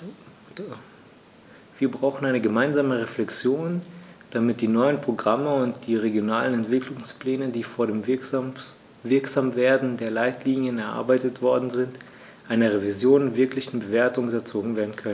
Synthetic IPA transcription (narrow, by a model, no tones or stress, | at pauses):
v̥iːɐbʁaʊxn̩aɪnəɡəmaɪnzaːməʁeflɛkt͡sjoːnd̥amɪt̚d̥iːnɔʏənpʁ̥oɡʁaməʊntd̥iːʁeɡjonaːlənɛntv̥ɪklʊŋspl̥ɛːnədiːfoːɐɾeːm | vɪɐkz̥aːmveːɐdn̩deːɐlaɪtʰliːnjənɛɐʔa̰ɐbaɪtətv̥ɔɐdn̩zɪnt | ʔaɪnɐʁ̞evizjoːnvɪɐklɪçn̩bəveːɐtʊŋʊtɐt͡soːɡŋ̩veːɐdn̩kʰœnən